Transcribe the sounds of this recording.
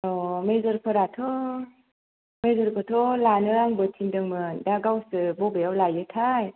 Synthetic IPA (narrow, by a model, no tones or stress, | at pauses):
ɔmezɯɾpʰɔɾatʰɔ | mezɔɾkʰɔtʰɔlanɯaŋbɯtʰindɯŋmɯndaɡawsɯbɔbɯjawlajɯtʰaj